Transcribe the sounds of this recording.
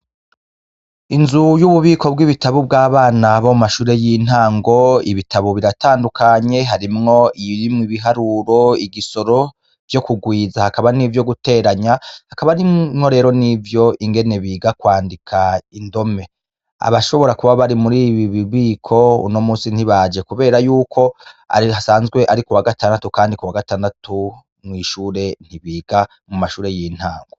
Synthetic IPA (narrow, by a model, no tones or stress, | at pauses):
inzujuβuβiːko̞bɡiβitaβub̚ɡaːβaːnaβoumaʃuːɾe̞jin̥haːŋɡo̞ḭβitʰaβoβiɾataːndukaɲe̞ɦaɾimŋo̞ʔiimŋiβiɦaɾuɾo̞iɡiso̞ɾo̞ | vjo̞kuɡwiːzahakaβanivjo̞ɡute̞ːɾaɲahakaβaɾiŋho̞ɾe̞ːɾonivjo̞ʔiŋɡe̞ne̞βiːɡakwaːndikʰaindo̞me̞ | a̰βaʃo̞βo̞ɾakuβaβaɾimuɾiːβiβiβiːkʰo̞ṵno̞muːsin̥hiβad͡ʒe̞kuβe̞ːɾajuːkʰo̞a̰hasaːnzɡwe̞ʔaɾikuwaɡataːndatukaːndikuwaɡataːndatʰu | mŋiːʃuːɾe̞n̥hiβiːɡa | mumaʃuːɾe̞jiːn̥haːŋɡo